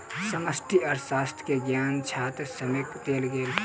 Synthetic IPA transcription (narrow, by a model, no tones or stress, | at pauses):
səməsʈʰiɔːɾsaːst̪ʰkeɡjaːnt͡ʃʰaːt̪ɾsəmekd̪eːlɡeːl